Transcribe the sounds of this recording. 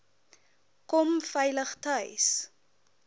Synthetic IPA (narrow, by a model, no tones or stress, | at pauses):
kɔmfɛjləχtœjs